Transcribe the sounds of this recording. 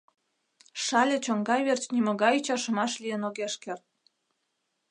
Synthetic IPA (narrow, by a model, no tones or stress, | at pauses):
ʃɑlʲĕt͡ɕoŋɡɑjβert͡ɕnʲimə̆ɣɑjut͡ɕɑʃə̆mɑʃlijənoɣeʃkert̪̚